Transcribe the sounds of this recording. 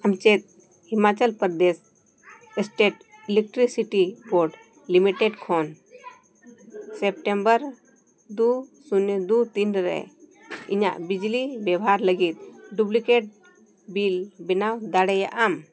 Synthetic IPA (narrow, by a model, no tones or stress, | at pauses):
amt͡ʃɛt̪̚ | himat͡ʃəlpəɾd̪es | ɛsʈeʈ | ilɛk̚ʈɾisiʈiboɾɖ | limiʈɛɖkʰɔn | sɛp̚ʈɛmbəɾ | d̪usunɛd̪ut̪inɾɛ̰ | ḭɲa̰ʔbid͡ʒlibjɛwɦaɾləɡit̪̚ɖublikeʈ̚ | bilbɛnawd̪aɽɛja̰ʔam